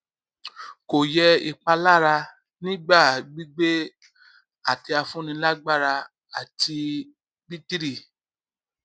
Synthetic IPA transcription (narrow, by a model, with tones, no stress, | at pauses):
ko˨jɛ˧ḭ˨k͡pa˧la˦˨ɾa˧ | nĩ˦ɡ͡ba˦˨ɡ͡bi˦ɡ͡be˦ | a˨ti˧a˧fũ˦nĩ˧la˦ɡ͡ba˦˨ɾa˧ | a˨tʰi˧ | bi˦ti˦ɾi˦˨